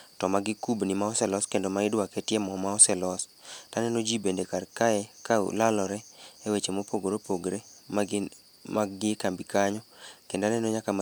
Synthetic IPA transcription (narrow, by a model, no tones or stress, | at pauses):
tɔmaɡɪkubnimaɔsɛlɔskendomaɪdwakɛtjɛmɔmaɔsɛlɔs | tanɛnod͡ʒibendekarkaɛka̰lalɔɾɛɛwet͡ʃemopoɡoɾopoɡɾema | maɡɪkambikaɲɔkendanɛnoɲakama